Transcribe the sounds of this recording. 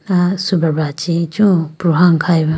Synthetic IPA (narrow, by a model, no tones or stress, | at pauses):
asubaɾbat͡ʃit͡ʃũpɾuɦaŋkʰajbɐ